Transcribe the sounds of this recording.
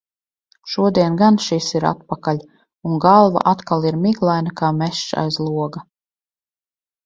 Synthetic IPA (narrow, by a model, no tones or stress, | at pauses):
ʃuɔd̪iɛnɡanʃisiɾa̰t̪̚pakalʲ | uŋɡalˠva̰ʔat̪kalˠiɾmiɡlˠajnakaːmɛʃt͡ʃa̰jzlˠuɔɡa